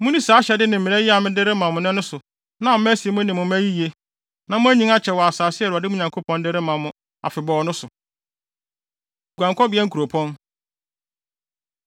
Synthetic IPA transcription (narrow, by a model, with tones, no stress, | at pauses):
mʊ̃˦nĩ˦saː˨˦ɕɛ˨dɪ˦nɪ̃˨m̩˨mɪ̃˨ɛ˦ji˦a˨mɪ̃˦dɪ˦ɾɪ˦mã˨mʊ̃˨nʊ̃˦nʊ̃˦sʊ˨ | nã˨m̩˦m˦æ˦si˨˦mʊ̃˦nɪ̃˨mʊ̃˨m˦æ˦ji˦ji˨e˦ | nã˨mʊ̃˦æ˦ɲĩ˦ŋa˦t͡ɕʰɛ˨wɔ˨a˨saː˨sɪ˦ɛ˦˨ʊ˨a˨dɪ˦mʊ̃˦ɲã˨ŋkʰo˦pʰɔ̃˦n˦dɪ˦ɾɪ˦mã˨mʊ̃˨˦ | a̰˨fɪ˨bɔ˨ɔ˨˦nʊ̃˦sʊ˨ | ɡʷã˨ŋkʰɔ˦bɪ˨˦ɛ˦ŋ̩˦kʰu˨ɾo˨pʰɔ̃˦n